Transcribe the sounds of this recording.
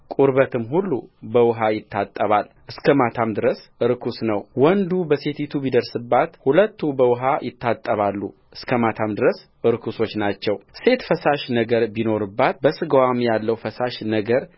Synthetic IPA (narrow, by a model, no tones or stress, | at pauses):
kʼuɾβət̪ʰɨmhulːubəwɨɦajɪt̪ːat̪ʼːəβal | ʔɨskʰəmat̪ʰamd̪ɨɾəsɨɾkʰusnəwwɔnd̪ubəset̪ʰit̪ʰubid̪əɾsɨbːat̪hulət̪ːubəwʊɦajɪt̪ːat̪ʼːəβalːṵʔɨskʰəmat̪ʰamd̪ɨɾəs | ɨɾkʰuso̞t͡ʃːnat͡ʃːɛwse̞t̪fəsaʃnəɡəɾbino̞ɾɨbːat̪̚bəsɨɡəwamjalːəwfəsaʃnəɡəɾ